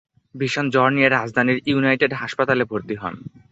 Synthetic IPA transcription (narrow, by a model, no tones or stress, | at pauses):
biʃond͡ʑɔɾnieɾad͡ʑd̪ʱaniɾjunajʈeɖɦaʃpat̪alebʱoɾt̪iɦɔ̰n